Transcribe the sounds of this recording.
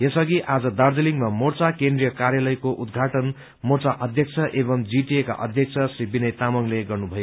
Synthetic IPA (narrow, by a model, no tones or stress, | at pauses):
jesʌɡiʔad͡zʌd̪ard͡zeliŋmamort͡sakend̪rijʌkaɾjalʌjkoʔud̪ɡʱaʈʌn | mort͡saʔʌd̪ʱjʌk̚t͡sʰʌʔebʌmd͡ziʈieka̰ʔʌ̰d̪ʱjʌk̚t͡sʰʌsribinʌjt̪amʌŋleɡʌrnubʱʌjo